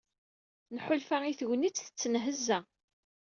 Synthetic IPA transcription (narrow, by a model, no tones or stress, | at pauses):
nħʊlfæiθwnit͡sːθə̥t͡sːənɦəzːæ